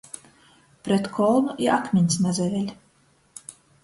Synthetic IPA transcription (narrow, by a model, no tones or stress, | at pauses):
pɾɛt̪kʰɔlˠnuʔiɾʔakmʲinʲsnazɛvʲɛlʲ